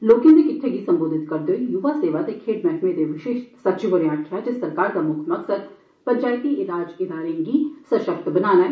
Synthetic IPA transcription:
loːkj̃d̪ekɪʈ̪ʰːekisɐ̃mboːd̪ʱɪt̪kɐɾd̪eijuʋaseːʋad̪ekʰeːʈmɛʈʰmẽd̪eʋɪʃeːʃsɐtːt͡ʃɪʋəɾĩaːkʰjad͡ʒɪsːɐɾkaːɾd̪amʊk̪ʰmɐksəɾ | pɐ̃ɲt͡ʃaːjt̪iɪlaːd͡ʒɪd̪ʱaːɾẽkisɐʃək̚t̪bɐnaːnaɦɛ

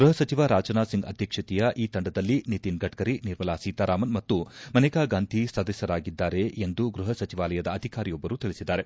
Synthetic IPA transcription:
ɡɾuɦɐsɐt͡ʃiʋaːɾaːd͡ʒɐnaːsiŋɡɐ̰d̪ʱjɐkʂɐt̪ijɐʔiːt̪ɐɳɖɐd̪ɐlːinit̪inɡʱɐʈkɐɾiniɾmɐlaːsiːt̪aːɾaːmɐnmɐt̪ːumɐnɛkaːɡaːnt̪isɐd̪ɐsjɐɾaːɡid̪ːaːɾe̞end̪uɡɾuɦɐsɐt͡ʃiʋaːlɐjɐd̪ɐːd̪ʱikaːɾijɔbːɐɾuːt̪iɭisid̪ːaːɾe̞

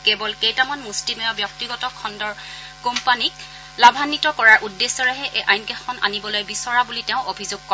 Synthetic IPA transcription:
kebɔlkejtamɔnmustimɔjɔbjɔk̚tiɡɔtɔkʰɔndɔɹ | kompanik̚ | labʱanːitɔkɔɹaɹʔudːesːɔɹaɦɛʔeʔajnkɛxɔna̰nibɔlojbisɔɹabuliteʊ̃ʔobʱizoɡ̚kɔ

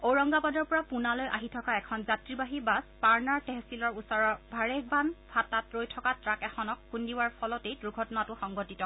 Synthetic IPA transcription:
oɹɔŋɡapɔdɔɹpɔɹapunalojʔa̰ɦitʰɔkaɛkʰɔnzatɹibaɦibaspaɹnaɹtɛɦsilɔɹusɔɹɔɹbʱaɹek̚banbʰʱatatɹojtʰɔkatɹakɛxɔnɔkːundiwaɹpʰɔlɔtejdɹuɡʱɔtɔnatʊxɔŋɡɔtitɔ

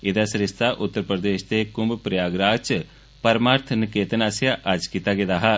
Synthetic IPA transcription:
ɪd̪asɾɪst̪aʔʊt̪ːəɾpɾəd̪eːʃt̪ekʊmbpɾjaːɡɾaːt͡ʃ | pɐɾmaːɾt̪ʰnkeːt̪ənaːsjaʔɐd͡ʒkit̪aɡed̪aːɦa

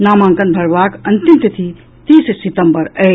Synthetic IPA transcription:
namãŋkənbʱəɾbakənt̪imt̪it̪ʰi | t̪issit̪əmbəɾə

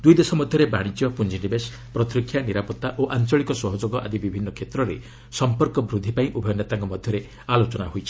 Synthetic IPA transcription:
d̪ujd̪esɔmɔd̪ʱjɔɾebaɽ̃it͡ʃjɔpund͡ʒinibes | pɾɔt̪ɾikʰjaniɾapɔt̪ːaʔoʔant͡ʃɔɭikɔsɔɦɔd͡ʒoɡɔʔa̰d̪ibibʱinːɔkʰet̪ɾɔɾḛ | sɔmpɔɾkɔbɾud̪ʱːipaĩʔubʱɔjɔnet̪aŋkɔmɔd̪ʱjɔɾe | alot͡ʃɔnaɦojt͡ʃʰi̥

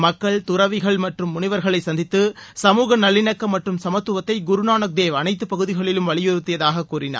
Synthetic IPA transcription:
mɐkːɐɭt̪ʊɾɐʋɪɣɐɭmɐʈrɯmːʊnɪʋɐɾɣɐɭɐɪsɐnd̪ɪt̪ːɯsɐmuːɣɐnɐlːɪnɐkːɐmːɐʈrɯmsɐmɐt̪ːɯʋɐt̪ːɐɪɡʊɾʊnaːnɐk̚d̪eːʋɐnɐɪt̪ːɯpɐɣɯðɪɣɐɭɪlɯmʋɐɭɪjɔɾɯt̪ːɪjɐðaːɣɐkːuːɾɪna̰ːɾ

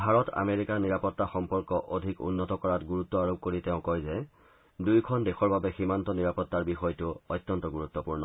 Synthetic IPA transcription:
bʱaɹɔta̰meɹikaniɹapɔtːaxɔmpɔɹkɔʔodʱikṵnːɔtɔkɔɹatɡuɹutːɔaɹob̚koɹiteʊ̃kɔjzɛ | dujkʰɔndexɔɹbabɛximantɔniɹapɔtːaɹbixɔjtʊɔjt̪ːɔntɔɡuɹut̪ːɔpuɹnɔ

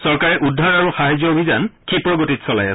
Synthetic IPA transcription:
sɔɹkaɹɛʔudʱaɹaɹuxaɦajzjɔobʱizankʰipɹɔɡotitsɔla̰ja̰sɛ

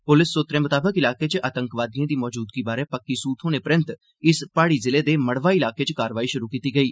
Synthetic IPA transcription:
pʊlɪsːoːt̪ɾẽːmʊt̪aːbəkɪlaːket͡ʃʔaːt̪ə̃ŋkʋaːd̪ijãːd̪iːmɔːd͡ʒuːd̪kibaːɾepəkːisuːt̪ʰõːnepɾə̃nt̪ | ɪspaːɽizɪled̪eːməɽʋaːiɪlaːket͡ʃəkaːɾʋaːiʃʊɾukiːt̪iːɡəiː

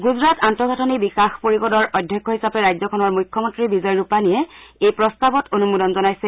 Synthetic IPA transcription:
ɡuzɹatantɔɡʱatʰɔnibikaxpoɹiɡɔdɔɹʔɔjdʱjɔkʰːɔhisapɛɹajzɔkʰɔnɔɹmujkʰːjɔmɔntɹibizɔjɹupanijɛejpɹɔstabɔtonumudɔnzɔnajsɛ

